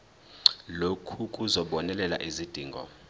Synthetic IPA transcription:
lokʰukʼuzɔɓɔnɛlɛla̰ʔizid̥ʱiːŋɡʱɔ̰

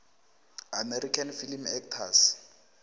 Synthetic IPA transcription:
amerikʰanfilimɛktʰas

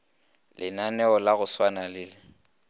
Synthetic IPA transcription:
lʔɪ̰nanɛɔlaɣʊswanalɪːlɪ

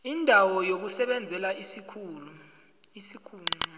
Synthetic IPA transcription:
indʱawɔjok̬usɛɓɛnd͡zʱɛlaisikʰuːlu | isikʰuːla

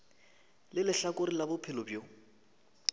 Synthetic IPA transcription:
lɪlɪɬakʼʊɾilabʊpʰɪlʊbjo

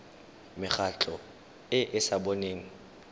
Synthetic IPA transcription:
mɪχat͡ɬʰʼɔ | ɪʔɪsabɔneːŋ̩

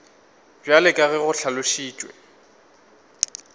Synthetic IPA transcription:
bjalɪkʼaɣɛɣʊɬʰalʊʃiːt͡ʃʼwɛ̰

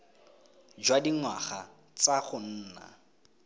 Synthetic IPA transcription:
d͡ʒwadiŋwa̰χa | t͡saχʊn̩ːna̰

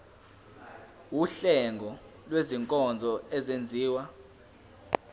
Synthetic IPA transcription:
wuɬɛŋɡʱɔ | lweziŋkʼɔnd͡zʱɔɛzend͡zʱiːwa

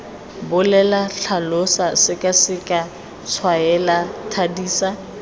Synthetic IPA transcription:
bʊlɛlaɬʰalosasɪkʼasɪkʼa | t͡sʰwaɛlatʰadiːsa

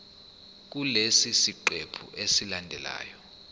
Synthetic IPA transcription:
k̬ulesisiǃepʰṵʔesilandʱɛla̰ːjɔ

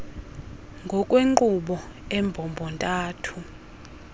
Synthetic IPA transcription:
ŋɡʱɔkʼweǃuɓɔɛmbʱɔmbʱɔntʼaːtʰu

